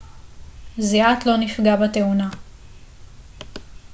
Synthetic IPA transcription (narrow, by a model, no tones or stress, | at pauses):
ziat̪lo̞nifɡabateuna